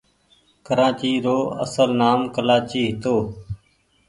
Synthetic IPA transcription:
kəɾãːt͡ʃiːɾoːə̰səlnaːmkəlaːt͡ʃiːɦɪt̪oː

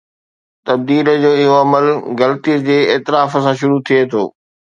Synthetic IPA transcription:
t̪ɐb̚d̪iːləd͡ʑoːɪɦoɐməlɣɐlət̪iəd͡ʑeːɪːt̪ɪɾaːfəsãʃʊɾut̪ʰiet̪ʰo̰ː

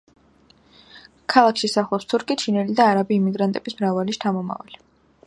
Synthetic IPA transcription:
kʰalˠakʃisaχlˠɔpst̪ʰuɾkʰit͡ʃʰinɛlid̪aːɾabiːmiɡɾant̪ʼɛb̥ismɾavaliʃt͡ʃ̪ʰamɔma̰va̰li

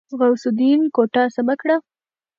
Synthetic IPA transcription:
zɣawsʊd̪inkoʈasamakɽa

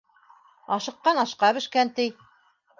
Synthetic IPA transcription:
ɑʃɤ̆qːɑnɑʃqɑβɘ̆ʃkænt̪ij

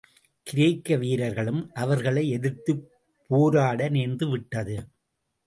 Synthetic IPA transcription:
kɪɾeːkːɐʋiːɾɐɾɣɐɭɯmʔɐʋɐɾɣɐɭɐɪɛðɪɾt̪ɯ | pːoːɾaːɽɐneːnd̪ɯʋɪʈːɐðɯ

